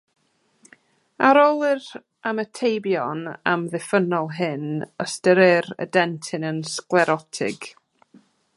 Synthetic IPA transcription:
aɾɔlˠɪɾ | amətʰejbjɔna̰mðɪfənɔlˠɦɪnə̰stəɾɪɾə̰dɛntʰɪnənsklˠɛɾʔɔtʰɪ̰ɡ̥

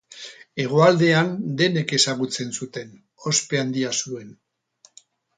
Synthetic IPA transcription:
e̞ɣ̞o̞ald̪e̞and̪e̞ne̞ke̞saɣut͡se̞nsut̪e̞n | o̞spe̞and̪iasue̞n

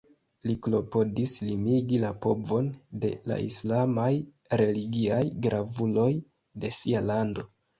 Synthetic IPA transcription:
liklo̞po̞dislimiɡilapo̞vo̞nde̞̰la̰ʔḭslamaj | ɾe̞liɡiajɡɾavulo̞j | de̞sialando̞

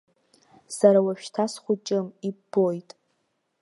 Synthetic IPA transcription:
saɾawaʃᶣtʰasχʷʊt͡ʃʼɨmibojtʼ

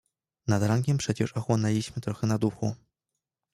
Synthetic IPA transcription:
nad̪ɾaŋkʲɛmpʂɛt͡ɕɛʂɔxwɔnɛlʲiɕmɘt̪ɾɔxɛnad̪uxu

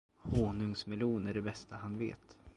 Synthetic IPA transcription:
hoːnɵŋsmɪluːnæɖɛbɛst̪ahanvḛːt̪

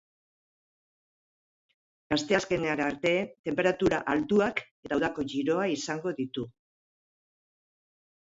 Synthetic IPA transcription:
ɡ̥ast̪e̞aske̞ne̞aɾaɾt̪e̞t̪e̞mpe̞ɾat̪uɾaʔalt̪uak | t̪awðako̞ʝiɾo̞aisaŋɡo̞ðit̪u

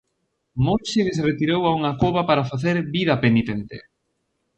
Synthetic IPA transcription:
moʃeɣeseret̪iɾowauŋakoβapaɾafaθeɾβiðɐpenit̪ent̪ḛ

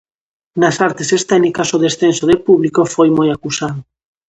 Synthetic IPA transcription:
nasaɾt̪esest̪enikasoðesθensoðepuβlikofojmojakusað

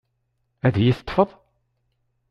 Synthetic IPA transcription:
æðijiθət̪ːfəðˤ

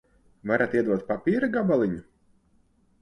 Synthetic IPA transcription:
vaɾat̪iɛd̪uɔt̪̚papʲiːɾɡabalˠiɲu

